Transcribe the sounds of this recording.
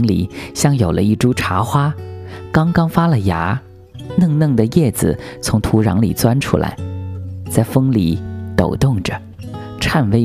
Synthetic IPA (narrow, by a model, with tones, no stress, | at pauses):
ŋlḭ˨˩ɕjɑ˥˩ŋjo˨˩ʊlʔə̰˦i˥˩ʈ͡ʂu˥ʈ͡ʂʰa˧˥xwa˥kɑ˥ŋkɑ˥ŋfa˥lə˨ja˧˥ | nɤ˥˧ŋnɤ˥˩ŋd̪ə˩jɛ˥˩d͡zɹ̩̰˩t͡sʰʊ˧˥ŋt̪ʰu˧˥ɻɑ̰˧˥ŋlḭ˨˩t͡swa˥nʈ͡ʂʰṵ˥la̰˧˥ɪt͡sa˥˩ɪfɤ˥ŋli˨˩˦t̪o˨˩ʊt̪ʊ˥˩ŋʈ͡ʂə˩ | ʈ͡ʂʰa˥˧nwe˧˥ɪ